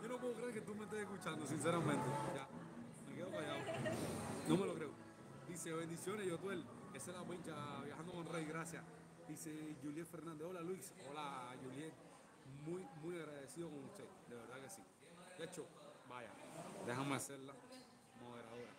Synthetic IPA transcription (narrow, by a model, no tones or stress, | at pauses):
ɟ͡ʝonop̬weokɾeeɾket̪umest̪eseskut͡ʃand̪os̬ins̬eɾamẽnt̪eʝa | mekeðokajao | nomelokɾeo | d̪iseβend̪isjonesiot̪wel | eselapweɲt͡ʃaβjahand̪okonreiɣɾasja | d̪iseʝuljefeɾnand̪eo̞lalwisolaʝulje | mujmujaɣɾaðesiðokonust̪e | d̪eβeɾðakesi | d̪et͡ʃobaʝa̰d̪exameaseɾla | moðeɾaðoɾa̰